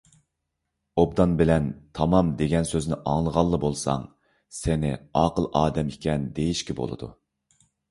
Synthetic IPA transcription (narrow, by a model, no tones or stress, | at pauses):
ob̚d̪ɑnbɪlɛnt̪ʰɑmɑmd̪eɡʲɛnsøznɪʔɑŋlˠəʁɑlˠːəbolˠsɑ̰ŋ | sɪnɪɑːqəlˠɑːd̪ɛmikʲɛnd̪ejiʃkʲɛbo̰lˠɨ̰d̪ṵ